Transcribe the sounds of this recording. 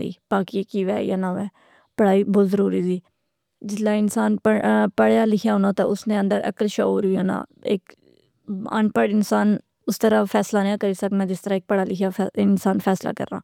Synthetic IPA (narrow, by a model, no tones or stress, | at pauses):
ḭːb̥aːkikiːʋɛ̰ːja̰ːnaʋɛː | pəɽaːiːbozəɾuːɾiːziː | d͡ʒɪlaːɪnsaːnəpəɽjaːlɪkʰjaːɦõːnaːt̪a̰ʊsnẽːə̃nd̪əɾə̰kəlʃaoːɾʊjaːnã̰ː | ḛːk | a̰npəɽɪnsaːn | ʊst̪əɾaːfʰɛːslaːnãːkəɾiːsəknaːd͡ʒɪst̪əɾaːeːk̚pəɽaːlɪkʰjaɪnsaːnfʰɛːsla̰ːkə̰ɾna̰ː